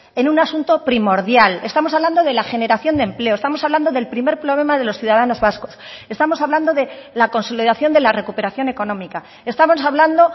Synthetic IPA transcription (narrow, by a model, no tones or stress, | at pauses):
e̞nũnasunt̪o̞pɾimo̞ɾðjale̞st̪amoaβland̪o̞ð̞e̞laxe̞ne̞ɾaθjo̞nd̪emple̞oest̪amo̞saβland̪o̞ðe̞lpɾime̞ɾpɾo̞βle̞maðe̞loθjuðað̞ano̞zβasko̞se̞st̪amo̞saβland̪o̞ðe̞lako̞nso̞liðaθjo̞nd̪e̞lare̞kupe̞ɾaθjo̞ne̞ko̞nõ̞mika | e̞st̪amo̞saβland̪o̞